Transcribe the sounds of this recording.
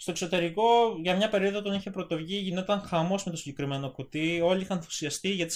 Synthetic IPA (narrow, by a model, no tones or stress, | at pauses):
st̪o̞kso̞t̪e̞ɾiko̞ʝɐmɲɐpe̞ɾio̞ðot̪oniçepɾo̞t̪o̞vʝiʝino̞t̪ɐŋxɐmo̞smet̪osiɲɟe̞kɾime̞no̞kut̪io̞liixɐnfu̥siɐst̪iʝɐt̪i̥